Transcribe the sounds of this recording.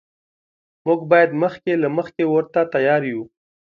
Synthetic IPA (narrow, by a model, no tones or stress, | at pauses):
muɡbɑjad̪məxkelaməxkewəɾt̪at̪ajɑɾju